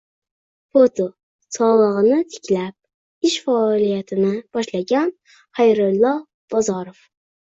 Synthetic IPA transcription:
fot̪ʰo | sʰɒlˠɨʁɨnɪt̪ʰɪ̥kʲlap̚ | ɪʃfaːlˠijat̪ʰɪnɪb̥ɒʃlˠaɡʲan | hajɾʊlˠːɑ | b̥ɒzɑɾof

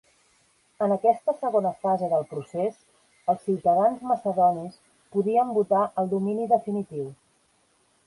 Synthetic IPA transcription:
ənəkɛst̪əsəɣonəfazəðəlˠpɾusez | əlˠsːiwt̪əðanzməsəðɔnis | puðiəmbut̪aʔəlˠd̪uminiðəfinit̪iw

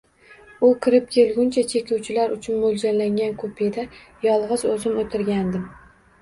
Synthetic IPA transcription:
ʊkʲʰɪɾɪp̚kʲʰe̞lɡʲʊnt͡ʃʰat͡ʃʰe̞kʲuwt͡ʃʰɪlaɾʊt͡ʃʰʊnmolˠd͡ʒanlaŋʲankʰopʰed̪ajɒlˠʁɨzɵzɪnot̪ʰɪɾɡʲand̪ɪm

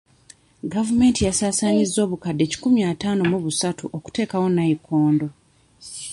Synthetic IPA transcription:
ɡavume̞ːntijasaːsaːɲizːo̞ːβukadːe̞ːci̥kumjaːtaːno̞muβusatuʔoku̥te̞ːkawo̞najikoːndo̞

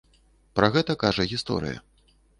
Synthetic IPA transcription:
pɾɐɣɛt̪ɐkaʐɐɣʲist̪ɔ̰ɾɨ̰jɐ̰

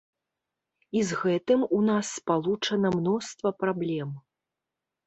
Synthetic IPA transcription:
izɣɛt̪ɨmunasːpalˠut͡ʂɐnɐmnɔst̪vɐpɾablʲɛm

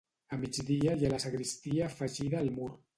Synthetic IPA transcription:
əmid͡ʒd̪iəjələsəɣɾist̪iaːfəʒiðəːlˠmuɾ

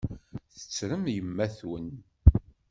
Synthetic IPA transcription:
θə̥t͡sːɾəmjəmːæθwə̰n

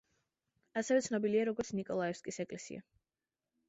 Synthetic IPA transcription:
asɛvɛt̪sʰnɔbiliaɾɔɡɔɾt̪sʰnikʼɔlˠaɛfskʼisɛkʼlɛsḭa̰

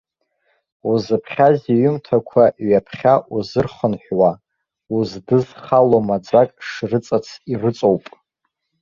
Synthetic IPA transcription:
uzɨpʰχʲaziɥʏmtʰakʷʰaɥapʰχʲaʔuzɨrχənħʷwa | uzdɨzχalomad͡zʷakʼʂrɨt͡sʼat͡sʰirɨt͡sʼowpʼ

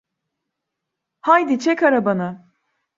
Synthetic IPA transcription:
hajd̪it͡ʃʰɛkaɾabana

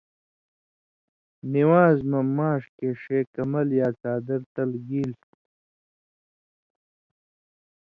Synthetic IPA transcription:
niwaːzmɐmaːʂkeːʂeːkɐmɐljaːt͡ɕaːd̪ɐɾt̪ɐlɡiːl

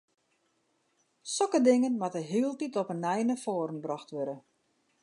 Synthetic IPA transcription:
sɔkədɪŋənmatəɦɪːəlˠtitɔpənɛjnəfoːɾənbrɔxtʋøɾə

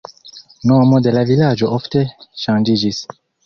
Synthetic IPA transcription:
nomode̞lavilad͡ʒo̞ʔofte̞ʃãnd͡ʒid͡ʒis

